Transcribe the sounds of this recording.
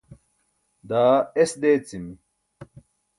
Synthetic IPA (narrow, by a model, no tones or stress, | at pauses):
d̪aːesd̪eːt͡simi